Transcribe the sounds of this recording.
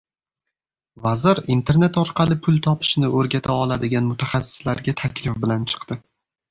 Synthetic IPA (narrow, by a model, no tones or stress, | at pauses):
vazɪɾint̪ʰe̞ɾnet̪ɒɾqɑlˠɪpʰʊlˠt̪ʰɒpʰɪ̥ʃnɪʔɵɾɡʲat̪ʰaɒlˠad̪ɪɡʲanmʊt̪ʰaχɑsːɪ̥slaɾɡʲat̪ʰakʲʰlɪfbɪlant͡ʃʰɨ̥qt̪ɪ